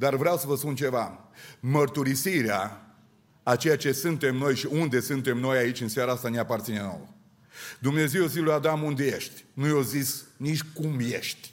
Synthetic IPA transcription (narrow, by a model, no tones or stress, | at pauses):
d̪arvɾeawsəvəspunt͡ʃe̞vamərt̪uɾisiɾeaː | t͡ʃe̞jat͡ʃe̞sɨnt̪e̞mno̞jʃiund̪e̞sɨnt̪e̞mno̞jait͡ʃʲɨnsʲaɾaast̪aneapart̪sineno̰wə | d̪umne̞zewozislujad̪amund̪e̞je̞ʃt̪ʲnujozisnit͡ʃʲkumje̞ʃt̪ʲ